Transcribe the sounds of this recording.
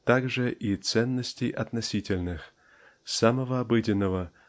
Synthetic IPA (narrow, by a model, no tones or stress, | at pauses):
t̪aɡʐɨʔit̪sɛnːəsʲtʲejʔɐt̪nɐsʲitʲɪlʲnɨx | saməvəabɨdʲɪnːəvə